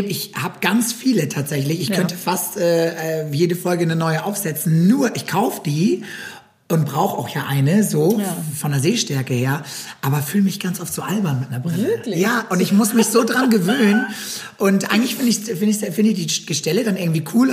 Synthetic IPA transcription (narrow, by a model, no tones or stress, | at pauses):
bmɪçhaːbəɡ̥ant͡sfiːlətʰaːtz̥ɛçlɪçɪçkʰœnntʰəfastʔɛːɛːjeːdəfɔlɡənənɔʏəʔaʊfz̥ɛt͡sn̩nuːɐʔɪçkʰaʊfəd̥iː | ʔʊnt̚b̥ʁaʊxəa̰ʊxjaːʔaɪnəzoːfɔndeɐzeːʃtɛɐkəheːɐʔaːbɐfyːlmɪçɡ̥ant͡sʔɔftz̥oːʔalbɐnmɪt̚nɐɐbʁɪləjaːʔʊntɪçmʊsmɪçz̥oːdʁanɡəvøːnnən | ʔʊntʔa̰ɪɡŋ̩tlɪçfɪndəɪçsfɪndɪçsfɪndəɪçdiːɡ̥əʃtɛlədanʔɪɐɡŋ̩tv̥iːkʰuːl